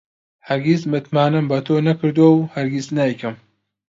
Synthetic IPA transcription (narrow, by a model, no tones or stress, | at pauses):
hɐɾɡismɨt̪maːnɨmbɐt̪ʰoːnɐkɨɾd̪uowhɐɾɡisnaikɨm